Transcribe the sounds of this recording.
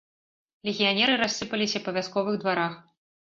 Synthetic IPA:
lʲɛɣʲijanʲɛɾɨɾasːɨpɐlʲisʲɐpɐvʲaskɔvɨɣd̪vaɾax

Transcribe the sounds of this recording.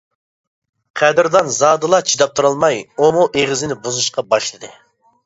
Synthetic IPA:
qʰæd̪ɪɾd̪ɑnzɑːd̪ɨlˠɑt͡ʃʰid̪ɑp̚t̪ʰuɾɑlˠmɑjomuʔeʁɪzɪnɪbuzuʃqɑbɑʃlˠɨd̪ɨ

